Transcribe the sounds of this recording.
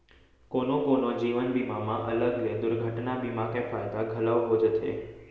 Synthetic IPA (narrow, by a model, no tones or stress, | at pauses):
konokonod͡ʒiːʋənbimamãʔələɡled̪ʊɾɡʱəʈnabimakẽpʰajt̪aɡʱələʋɦod͡ʒt̪ʰḛ